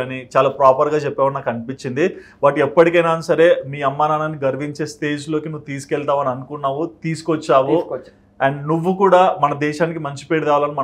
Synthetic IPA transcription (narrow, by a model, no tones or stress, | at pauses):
nit͡ʃaːlaːpɾaːpɐɾɡaːt͡ʃɛpːɛːʋɐnaːkɐnipiɲt͡ʃind̪ibaʈɛpːɐʈikɐjnaːnsɐɾe̞ːmiːɐmːaːnaːnanːiɡɐɾʋiɲt͡ʃe̞ːsʈe̞ːd͡ʒlo̞ːkinuʋːut̪iːsu̥kɛɭt̪aːʋɐniɐnukunːaːʋut̪iːsu̥kot͡ʃːaːʋu | ɐɳɖnuʋːukuːɽaːmɐnɐd̪ɛːʃaːnik̬imɐɲt͡ʃi̥peːɽid̪aːʋaːlɐnimɐ